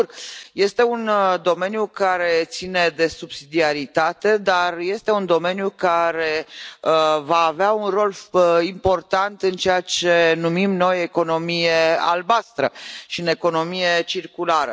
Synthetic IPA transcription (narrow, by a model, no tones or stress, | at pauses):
rje̞st̪e̞und̪o̞me̞njukaɾe̞t̪sine̞d̪e̞subsid̪iaɾit̪at̪e̞d̪arje̞st̪e̞und̪o̞me̞njukaɾe̞əvaːveaunro̞limpo̞rt̪ant̪ɨnt͡ʃe̞jat͡ʃe̞numimno̞je̞ko̞no̞mijea̰lbast̪ɾəʃiɨne̞ko̞no̞mije̞t͡ʃirkulaɾə̰